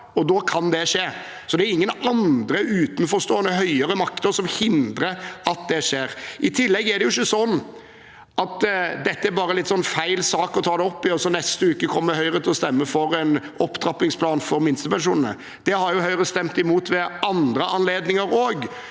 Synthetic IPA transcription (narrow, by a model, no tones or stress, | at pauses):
ɔd̪oːkʰɑnd̪ɛʂeː | sɔd̪ɛæɾɪŋːənɑnd̪ɾəʔʉːt̪n̩fɔɾst̪oːənːəɦœʏəɾəmɑkt̪əsɔmhɪnd̪ɾəɑt̪̚d̪ɛʂeːɾʔɪt̪ʰɪlːɛɡːæɾd̪ɛjʊɪçːəsɔnː | ɑt̪d̪ɛt̪ːəæɾbɑːɾəlɪt̪ːsɔnːfæɪlsɑːkɔt̪ʰɑːd̪ɛɔpːɪɔsɔnɛst̪əʉːkːəkʰɔmːəɾhœʏɾət̪ʰɪlɔst̪ɛmːəfɔɾɛn | ɔpːd̪ɾɑpɪŋspʰlɑːnfɔɾmɪnst̪əpɛnʂuːnənə̰ | d̪̥ɛhɑɾjʊhœʏɾəst̪ɛmt̪ɪmuːt̪ʋɛɑnd̪ɾəʔɑnleːd̪nɪŋəɾoːɡ